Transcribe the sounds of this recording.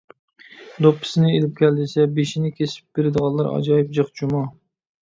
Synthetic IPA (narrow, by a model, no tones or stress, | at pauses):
d̪opʰːɪ̥sɪnɪelɪp̚kʲʰɛlːɪsɛbeʃinɪkʲʰesɪ̥p̚b̥eɾɪd̪əʁɑlˠːɑɾɑ̰d͡ʒɑjip̚d͡ʒɨχd͡ʒumɑ